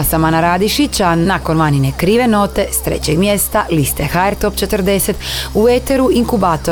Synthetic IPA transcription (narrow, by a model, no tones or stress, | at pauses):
samanaɾaːd̪iʃit͡ɕanako̞nʋaninekɾiːʋe̞no̞t̪e̞st̪ɾḛt͡ɕeɡmje̞st̪alist̪exaeɾt̪o̞pt͡ʃe̞t̪əɾd̪e̞set̪uʋet̪e̞ɾuʔiŋkubaːt̪o